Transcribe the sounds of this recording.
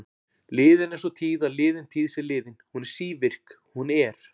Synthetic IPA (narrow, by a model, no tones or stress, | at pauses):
lɪːðɪnɛn̥sɔt̪ʰiːðaðlɪːðɪnt̪ʰiːðsɪɾlɪːðɪnhunɛɾ̥siːvɪr̥k | hunɛɾ̥